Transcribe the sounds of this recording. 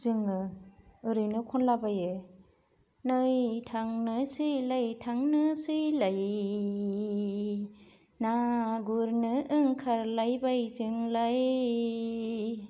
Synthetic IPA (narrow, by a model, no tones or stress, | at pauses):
zɯŋɯɯɾɯjnɯkʰɔnlabajɯ | nɯjtʰaŋnɯsɯjlajtʰaŋnɯsɯjlaj | naɡuɾnɯʔɯŋkʰaɾlajbajzɯŋlaj